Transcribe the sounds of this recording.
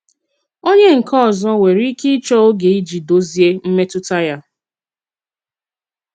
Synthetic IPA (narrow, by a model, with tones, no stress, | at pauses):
o˦ɲe˦ŋ̩˨kʰɔ˦˨zɔ˦we˨ɾi˦ki˦t͡ʃɔ˦o˦ɡe˨i˦d͡ʒi˨do˦zi˦e˦m̩˦me˦tʊ˦ta˦ja˦